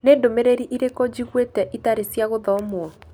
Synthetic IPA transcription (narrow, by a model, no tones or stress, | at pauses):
neːdomeɾeɾiʔiɾekɔd͡ʑiɣwetɛʔitaɾesjaɣoðɔmwɔ